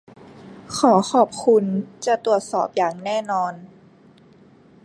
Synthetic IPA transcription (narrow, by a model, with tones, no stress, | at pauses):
kʰɔː˩˦xʰɔː˨˩p̚kʰu˧nt͡ɕa˧˩t̪u˨˩ət̪̚sɔː˨˩p̚jaː˨˩ŋnɛː˥˩nɔː˧n